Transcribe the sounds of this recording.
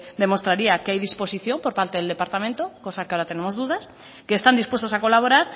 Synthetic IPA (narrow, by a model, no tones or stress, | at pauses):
d̪emo̞st̪ɾaɾiakeajðispo̞siθjo̞mpo̞ɾpalt̪eðeld̪e̞paɾt̪amẽnt̪okosakeoɾat̪e̞nemo̞zðuðas | keːst̪and̪ispwe̞st̪osako̞laβo̞ɾaɾ